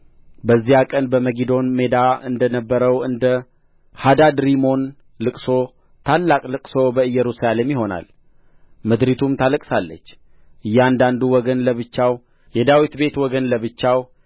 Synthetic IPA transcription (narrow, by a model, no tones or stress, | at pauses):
bəzːihakʼənbəməɡid̪o̞nme̞d̪aɨnd̪ənəbːəɾəwɨnd̪ə | had̪ad̪ɾimo̞n | lɨkʼso̞ | t̪ʰalːakʼlɨkʼso̞bəɨjːɛɾusalemjɪɦo̞na̰l | məd̪ɾit̪ʰumt̪ʰaləkʼsalːə̰t͡ʃː | ʔɨjːand̪and̪uwɔɡənləβɨt͡ʃːaw | jɛd̪awit̪be̞t̪wɔɡənləβɨt͡ʃːaw